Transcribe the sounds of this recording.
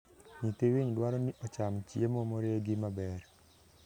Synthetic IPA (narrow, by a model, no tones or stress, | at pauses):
ɲit̪ewiɲdwaɾɔniʔɔt͡ʃamt͡ʃjemɔmoɾeɡimabɛɾ